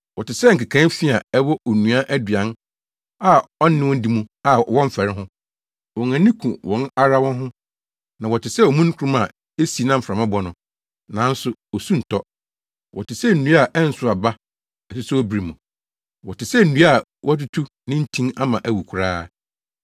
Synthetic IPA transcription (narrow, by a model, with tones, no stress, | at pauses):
wɔ˨tɪ˨sɛ˦ŋ̩˨kɪ˨kʰã˦n˦fi˦a˨ɛ˦wɔ˦ʔɔ˨nũ˨a˦ʔæ˦dɥã˨n | a˦˨ɔ˦n˦ɪ̃˦wɔ̃˦n̩˦di˦mũ˦a˨wɔ̃˦m˦fɛ˨ɾɪ˦ɦʊ̃˦ | wɔ̃˨ŋæ̃˨nĩ˦kʰũ˨wɔ̃˨na˦ɾa˦wɔ̃˦nɦʊ̃˦ | nã˨wɔ˨tɪ˨sɛ˦ɔ˨mũ˦n˦kʰu˦ɾũ˦ma˨ | e˦si˨nã˦m̩˨fɾã˨mã˦bɔ˨˦nʊ̃˨ | nã˨˦n̩˦sʊ˦ɔ˨sũ˦n̩˨tʰɔ˦ | wɔ̰˨tɪ˨sɛ˦n̩˨nũ˦a˦˨ʔɛ˦n̩˦sʊ˦a˨ba˦ | ɛ˨su˦sɛ˦wɔ˦bi˨ɾi˨mũ˨ | wɔ˨tɪ˨sɛ˦˨nũ˦a˦˨ | wʔɔ˦t̬ʊ˦tʰu˦ | nɪ̃˦n̩˦tʰĩ˦na˦mã˨ʔæ˦wu˨kʰʊ˨ɾaː˦